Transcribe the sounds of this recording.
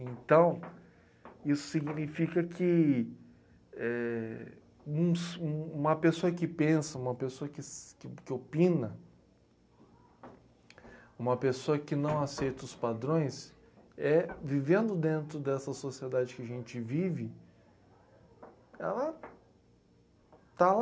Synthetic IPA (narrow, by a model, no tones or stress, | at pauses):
ẽnt̪ɐ̃w̃ | isʊ̥siɡnifikɐkʰɪ | ɛ | ũsũũmɐpesoɐkɪpẽsɐũmɐpesoɐkɪɪkɪopĩnɐ | ũmɐpesoɐkɪnɐ̃w̃asejt̪ɐʊspad̪ɾõj̃s | ɛvivẽnd̪ʊd̪ẽnt̪ɾʊd̪ɛsɐsosied̪ad͡ʒɪkɪaʒẽnt͡ʃɪvivɪ | ɛ̰lɐ | t̪al